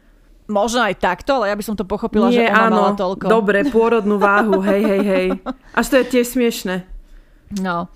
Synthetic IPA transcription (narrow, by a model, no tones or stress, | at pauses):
mɔʒnɔajt̪akt̪ɔalɛjabisɔmt̪ɔpɔxɔpilnɪɛʔaːnɔlt̪ɔlkkɔd̪ɔbɾɛpʊɔɾɔd̪nuːʋaːɦuɦɛjɦɛjɦɛjʔaʃt̪ɔjɛt̪ɪɛʃsmɪɛʃnɛ | nɔ